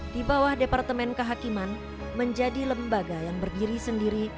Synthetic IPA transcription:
d̥ibawahdepart̪əmɛnkəɦakiman | məɲd͡ʒadiləmbaɡajaŋbərdiɾisəndiɾi

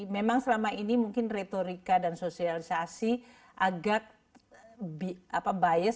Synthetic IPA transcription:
memaŋsəlamainimuŋkɪnret̪oɾikadansosialisasi | ʔaɡak̚ | bapabajɛ

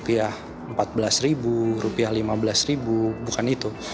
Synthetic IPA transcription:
piah | əmpat̪̚bəlasɾiburupiahlimabəlasribubukanit̪u

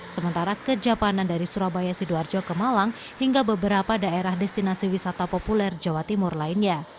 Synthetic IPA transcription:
səmənt̪aɾakəd͡ʒapanandaɾisuɾabajasiduard͡ʒɔkəmalam | hiŋɡabəbəɾapadaeɾahdɛst̪inasiwisat̪apopulɛrd͡ʒawat̪imʊrlainɲa

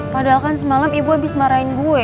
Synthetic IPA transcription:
padaalkansəmalamibuabɪsmaɾaɪnbuɛ

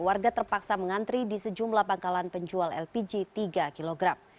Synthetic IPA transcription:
warɡat̪ərpaksaməŋant̪ɾidisəd͡ʒumlahpaŋkalanpəɲd͡ʒualɛ̰lpid͡ʒit̪iɡakiloɡɾam

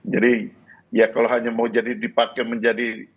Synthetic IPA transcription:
d͡ʒadi | jakaloɦaɲamaud͡ʒadidipakɛməɲd͡ʒadi

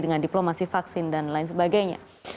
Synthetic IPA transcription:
dəŋandiplomasifaksɪndanlaɪnsəbaɡajɲa̰

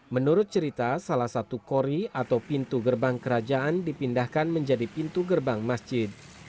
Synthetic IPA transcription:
mənuɾʊt̪̚t͡ʃəɾit̪asalahsat̪ukoɾiat̪awpint̪uɡərbaŋkəɾad͡ʒaʔandipindahkanməɲd͡ʒadipint̪uɡərbaŋmasd͡ʒɪd̪̚

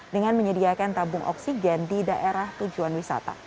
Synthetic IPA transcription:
dəŋanməɲədiakant̪abʊŋʔɔ̰ksid͡ʒɛndidaʔeɾaht̪ud͡ʒuanwisa̰t̪a̰

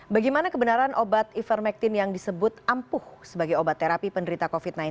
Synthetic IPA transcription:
baɡajmanakəbənaɾanʔobat̪ifərmɛk̚t̪ɪnjaŋdisəbʊt̪̚ampʊhsəbaɡajobat̪ːeɾapipəndəɾit̪akofit̪̚najn

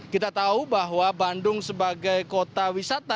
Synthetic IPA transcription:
kit̪at̪aubaɦwabandʊŋsəbaɡajkot̪awisat̪a

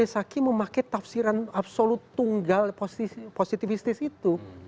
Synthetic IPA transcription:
esakiməmakajt̪afsiɾanapsolut̪ːuŋɡalposposit̪ifist̪ɪsit̪u

